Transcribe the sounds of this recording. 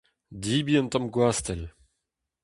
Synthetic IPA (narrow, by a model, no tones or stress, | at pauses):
d̪iːbiɛ̃nt̪ɔmɡwaːst̪ɛl